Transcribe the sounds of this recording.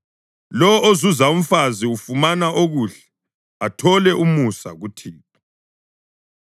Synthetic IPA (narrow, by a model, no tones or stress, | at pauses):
lɔozuzaum̩faziufumanaʔoɣuɬɛ̥ | atʰɔlɛʔumusa̰ɣutʰiːpḁ